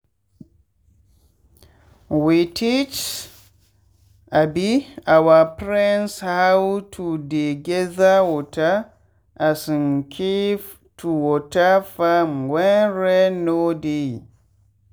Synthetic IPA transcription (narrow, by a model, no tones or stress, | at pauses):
witʰit͡ʃ | ʔabiawapɾɛnshawtʰudeɡɛðawɔta | ʔasinkʰiv | tʰuwɔtafamwɛnɾɛnode